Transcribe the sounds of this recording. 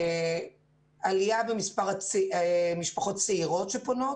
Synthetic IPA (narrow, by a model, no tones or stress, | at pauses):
alijabemispaʁ | miʃpaχo̞tt͡seiʁo̞tʃepo̞no̞